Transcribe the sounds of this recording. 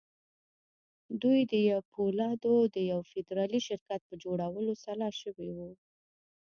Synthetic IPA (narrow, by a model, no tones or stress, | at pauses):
d̪ujd̪əjawpʰolɑd̪od̪əjawfɪd̪ɾɑliʃɪɾkat̪̚pəd͡ʒoɽawəlosalɑʃəwewu